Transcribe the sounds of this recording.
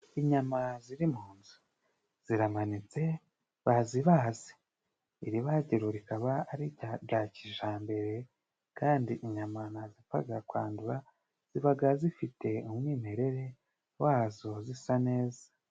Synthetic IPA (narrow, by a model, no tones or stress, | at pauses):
iɲamaziɾimhuːnzu | z̥iɾamanit͡se̞ | βaziβaːze̥ | iɾiβaːɟeɾoɾikaβaːɾiɟaɟaːciʒaːmbe̞ɾe̞ | kaːndiʔiɲamanazipa̰ɡakwa̰ːnduɾa | z̥iβaɡazifite̞umŋiːmhe̞ɾe̞ɾe̞ | waːzo̞zisane̞ːza